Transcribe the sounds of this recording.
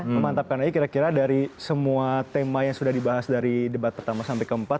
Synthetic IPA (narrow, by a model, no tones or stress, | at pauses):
məmant̪ap̚kanaikiɾakiɾadaɾisəmuat̪emajaŋsudahdibaɦasdaɾidəbat̪̚pərt̪amasampajkəmpat̪̚